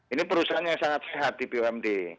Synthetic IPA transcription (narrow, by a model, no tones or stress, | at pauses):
inipəɾusaɦanjaŋsaŋat̪̚seɦat̪̚dipioɛmde